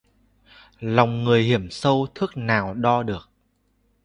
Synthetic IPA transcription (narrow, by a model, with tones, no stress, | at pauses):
la˨˩wŋ͡mŋɨ˨˩əjhi˧˩əmsə˧wt̪ʰɨ˦˥k̚naː˨˩wɗɔ˧ɗɨ˨˩ək̚